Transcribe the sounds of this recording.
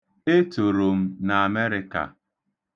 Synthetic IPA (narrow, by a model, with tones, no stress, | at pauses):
e˦to˨ɾo˨m̩˦na˨a˨me˦ɾɪ˦ka̰˨